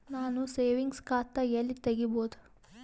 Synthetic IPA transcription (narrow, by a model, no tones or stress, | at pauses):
naːnuseːʋiŋɡskaːt̪ːɐjɐlːit̪eɡiboːd̪u̥